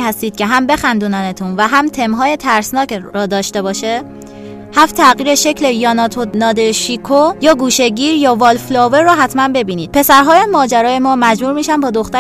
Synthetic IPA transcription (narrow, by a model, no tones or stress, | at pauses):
hæst̪iːd̪̥cʰe̞ɦæmbe̞xænd̪uːnænet̪ʰunvæɦæmt̪ʰe̞mɦɒːje̞t̪ʰæɾsnɒːkɾɒːd̪ɒːʃt̪e̞bɒːʃe | hæft̪ʰæɣiːɾe̞ʃe̞cʰle̞jɒːnɒt̪ʰonɒːd̪eʃikʰojɒːɡuːʃe̞ɟiːɾjɒːvɒːlflɒːveɾːɔːɦæt̪ʰmænbe̞biːniːd̪̥̚pʰe̞sæɾɦɒːjæmɒːd͡ʒæɾɒːje̞mɒːmæd͡ʒbuːɾmiːʃænbɒːd̪o̞xt̪æ